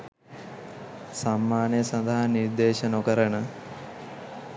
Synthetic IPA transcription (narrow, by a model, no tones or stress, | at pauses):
sɐmːaːnjɐsɐnd̪ɐɦɐniɾd̪eːʃɐnokɐɾɐɳɐ